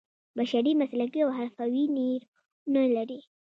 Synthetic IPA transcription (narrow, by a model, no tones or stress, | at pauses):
baʃaɾimaslakiawɦaɾfawineɾ | nəlaɾi